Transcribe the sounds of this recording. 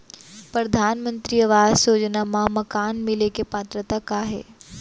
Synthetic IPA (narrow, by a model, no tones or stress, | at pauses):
pɾɐd̪ʱaːnmə̃nt̪ɾiɐʋaːsoːd͡ʒnamãmɐkaːnmɪlekepaːt̪ɾət̪akaːɦḛː